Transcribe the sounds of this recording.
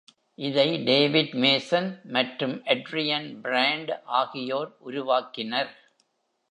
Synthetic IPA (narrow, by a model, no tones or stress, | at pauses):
ʔɪðɐɪɖeːʋɪɖmeːsɐnmɐʈrɯmʔɐɖɾɪjɐnbɾaːɳɖʔaːɣɪjoːɾʔʊɾʊʋaːkɪnɐɾ